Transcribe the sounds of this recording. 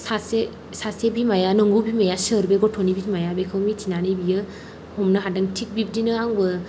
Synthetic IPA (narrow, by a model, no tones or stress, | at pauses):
sase | sasebimajanɔŋɡubimajasɯɾbeɡɔtʰonibidmajabekʰɯwmitʰinanijbijɯ | humnɯɦadaŋtʰik̚bip̚dinɯaŋbɯ